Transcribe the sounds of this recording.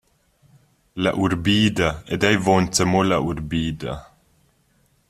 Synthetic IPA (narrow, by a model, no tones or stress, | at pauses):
laʔuɾbiːd̪aɛd̪ajvɔnt̪əmolauɾbiːd̪a̰